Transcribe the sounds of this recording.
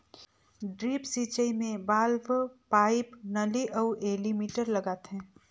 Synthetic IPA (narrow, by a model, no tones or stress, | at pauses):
ɖɾiːpsiːt͡ʃəimẽbaːlʋpaːɪpnɐliʔɔʊʔeːlimiːʈəɾlɐɡaːt̪ɦɛ̃ː